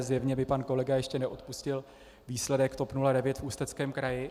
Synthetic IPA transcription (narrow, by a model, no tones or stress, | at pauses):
zjɛvɲɛbɪpanko̞lɛɡajɛʃcɛnɛʔo̞t̪puscɪl | viːslɛdɛkt̪o̞pnuladɛvjɛt̪fuːst̪ɛt͡skɛːmkɾajɪ